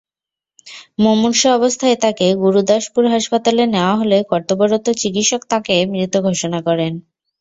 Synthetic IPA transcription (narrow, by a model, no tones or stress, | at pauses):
momunʃaɔbost̪ʰaet̪akeɡuɾud̪aʃpuɾɦaʃpat̪aleneoaɦolekɔɾt̪obɔɾot̪ot͡ɕikit̪ʃokt̪akemɾit̪oɡʱoʃonakɔɾen